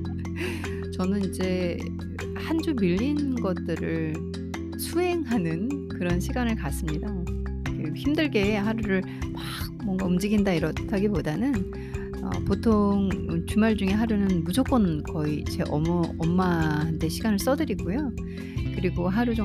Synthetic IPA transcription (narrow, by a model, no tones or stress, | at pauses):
t͡ɕʌnɯnid͡ʑe̞ | hand͡ʑumiʎːinɡʌt̚t͈ɯɾɯɭ | sʰuɦe̞ŋɦanɯnkɯɾʌnɕʰiɡanɯɭkas͈ɯmɲida | keçimdɯɭɡe̞ːɦaɾuɾɯɭ | pak̚mʌŋɡaɯmd͡ʑiɡindaiɾʌtʰaɡipodanɯn | ʌ̰potʰoŋt͡ɕumaɭd͡ʑuŋe̞ɦaɾunɯnmud͡ʑok͈ʌnkʌit͡ɕe̞̰ʔʌmʌmːahantʰe̞ɕʰiɡanɯɭs͈ʌdɯɾiɡujo | kɯɾiɡoɦaɾud͡ʑo